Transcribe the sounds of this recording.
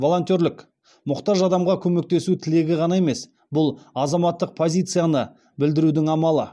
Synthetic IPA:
vo̞lˠo̞nt̪ʲoɾlɪk | mʊqt̪ɑʒɑd̪ɑmʁɑkʲʰɵme̞k̚t̪e̞sut̪ʰɪle̞ɡʲɪʁɑnɑe̞me̞s | bʊlˠɑzɑmɑt̪ːəq̚pʰo̞zʲijt̪sɨjanə | bɪld̪ɪɾud̪ɪŋɑmɑlˠə

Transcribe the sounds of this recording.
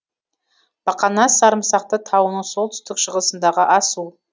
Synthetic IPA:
b̥ɑqɑnɑsɑɾəmsɑq̚t̪ət̪ʰɑwənəɴso̞lˠt̪ʰʏ̥st̪ɪkʃəʁəsənd̪ɑʁəʔɑsu

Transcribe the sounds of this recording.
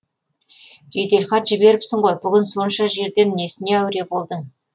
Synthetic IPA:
ʒe̞t̪e̞lχɑt̪ʒ̥ɪbe̞ɾɪpsɪɴʁo̞jbʏɡʲɪnso̞nʃɑʒe̞ɾd̪enne̞sɪne̞æwɾe̞bo̞lˠd̪ə

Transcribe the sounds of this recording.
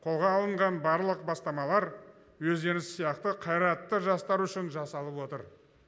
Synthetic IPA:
qʰo̞lˠʁɑːlˠəɴʁɑnbɑɾlˠəqbɑst̪ɑmɑlˠɑɾ | wɵzd̪e̞ɾɪssijɑqt̪əqʰɑjɾɑt̪ːəʒɑst̪ɑɾʏʃɪnʒɑsɑlˠəpwo̞t̪əɾ

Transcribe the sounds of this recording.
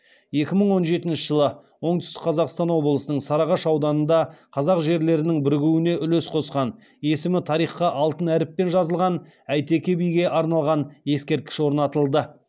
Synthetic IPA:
je̞kʲɪməɴwo̞nʒe̞t̪ɪnʃɪʒəlˠə | wo̞ɴd̪ʏ̥st̪ɪk̚qʰɑzɑqst̪ɑnwo̞blˠəsənəɴsɑɾɑʁɑʃɑwd̪ɑnənd̪ɑqʰɑzɑqʒe̞ɾle̞ɾɪnɪŋbɪɾɡʲuwɪne̞ʔʏle̞sqʰo̞sqɑn | e̞sɪmɪt̪ʰɑɾijχqɑʔɑlˠt̪ənæɾɪpːe̞nʒɑzəlˠʁɑn | æjt̪e̞kʲebijɡʲe̞ʔɑɾnɑlˠʁɑnje̞skʲe̞ɾt̪̚kʲɪ̥ʃwo̞ɾnɑt̪əlˠd̪ə

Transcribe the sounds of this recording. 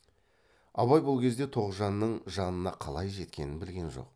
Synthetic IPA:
ɑβɑjbolˠkʲʰe̞zd̪e̞t̪ʰo̞ʁzʒɑnːəɴʒɑnənɑqʰɑlˠɑjʒe̞t̪kʲe̞nɪnbɪlɡʲe̞nʒo̞̰q

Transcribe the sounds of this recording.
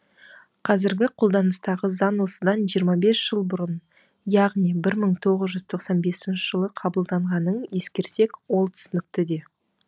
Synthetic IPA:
qʰɑzɪɾɡʲɪqʰo̞lˠd̪ɑnəst̪ɑʁəzɑnwo̞səd̪ɑnʒijəɾmɑbe̞sʒ̥əlˠbʊɾən | jɑʁnijbɪɾməɴt̪ʰo̞ʁəzʒʏzt̪ʰo̞qsɑnbe̞sɪnʃɪʒ̥əlˠəqʰɑbəlˠd̪ɑɴʁɑnəɴje̞skʲe̞ɾse̞kwo̞lˠt̪ʰʏ̥sɪnɪk̚t̪ɪd̪e̞

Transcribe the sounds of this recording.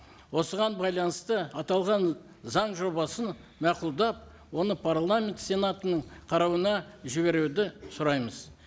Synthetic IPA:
wo̞səʁɑnbɑjlˠɑnəst̪əɑt̪ɑlˠʁɑn | zɑɴʒo̞bɑsən | mæqʊlˠd̪ɑp̚ | wo̞nəpʰaɾlˠamʲe̞nt̪se̞nat̪ənəɴqʰɑɾɑwənɑʒɪβe̞ɾuwd̪ɪsʊɾɑjməz

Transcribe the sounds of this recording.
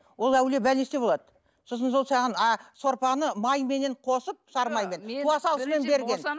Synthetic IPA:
wo̞lˠæwle̞bælnest̪e̞bo̞lˠɑd̪ə | so̞s̬ənso̞lˠsɑʁənɑso̞ɾpɑnəmɑjme̞ne̞ɴqʰo̞səp̚ʃɑɾmɑjme̞nʰuɑsɑlˠəsme̞nbe̞ɾɡʲe̞n

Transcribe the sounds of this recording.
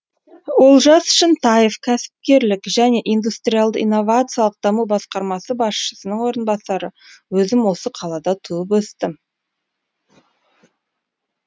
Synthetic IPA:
wo̞lˠʒɑsʏ̥ʃɪnt̪ʰɑjefkʲʰæsɪ̥p̚kʲe̞ɾlɪkʒæne̞ʔijnd̪ust̪ɾʲijalˠd̪ə̰ijnːo̞vat̪sɨijalˠəq̚d̪ɑmubɑsqɑɾmɑsəbɑsʃə̥sənəɴwo̞ɾənbɑsɑɾəwɵzɪmwo̞səqʰɑlˠɑd̪ɑt̪ʰuəp̬wɵst̪ɪm

